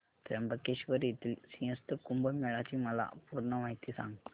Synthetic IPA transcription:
t̪ɾɐmbɐkːeʃʋɐɾit̪ːilsijɐst̪ɨkumbɐmɛɭaːt͡ʃimɐla̰ːpuɾnɐʋaːjt̪ːisa̰ːŋɡ

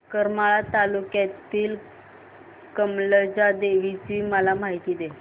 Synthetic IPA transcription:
kəɾmaɭat̪alukjat̪iːl | kəmləd͡ʑad̪eʋit͡ɕiːməlamaɦit̪iːd̪e

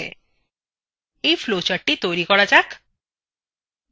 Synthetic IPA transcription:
ḛ | ifʰlot͡ʃəʈːit̪oɾikɔɽat͡ʃak

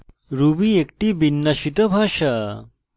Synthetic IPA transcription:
ɾubiek̚ʈibinːɐɕit̪ɐbʱaːʃa

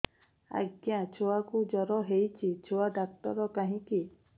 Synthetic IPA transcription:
a̰ɡjãt͡ʃʰoakud͡ʒɔɾɔɦejt͡ʃʰit͡ʃʰoadak̚ʈ̪ɔɾɔkaɦĩki

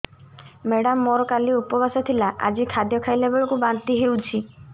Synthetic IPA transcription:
meɽamːɔɾɔkaliupɔbasɔt̪ʰilaʔa̰d͡ʒikʰad̪jɔkʰajlebɔɭɔkubant̪iɦewt͡ʃʰi

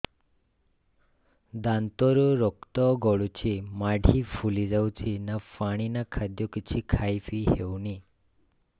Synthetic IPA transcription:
d̪ãnt̪ɔɾuɾɔkt̪ɔɡɔɭut͡ɕʰimaɽʱifulid͡zawt͡ɕʰinafaɽ̃inakʰad̪jokit͡ɕʰikʰajfiɦewni

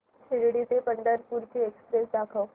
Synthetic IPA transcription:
ɕeɽɽit̪epəɳɖəɾpuɾt͡ɕʰiekspɾesd̪akʰəw

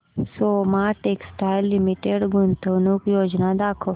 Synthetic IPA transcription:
somãʈeːksʈaːɪlːimiʈeɖɡunt̪ənukjoːd͡ʒnad̪aːkʰo

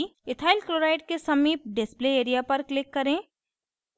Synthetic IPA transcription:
ɪt̪ʰaːɪlkloːɾaːɪʈ̚kesɐmiːp̚ɖɪspleeːɾijapɐɾklɪkːɐɾẽː

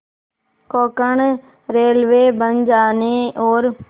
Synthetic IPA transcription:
koːkəɳ | ɾeːlʋeːbə̃nd͡ʒaːneːoːɾ

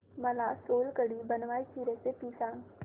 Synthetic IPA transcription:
mɐlasoːlkəɽibɐnʋaːit͡ʃiːɾẽsepiːsãːŋ

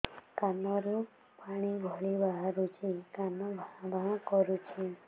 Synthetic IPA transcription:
kanɔɾu | paɽ̃iɡʱɔɭibaɦaɾut͡ʃikanɔbʱaãbʱãkɔɾut͡ʃʰi

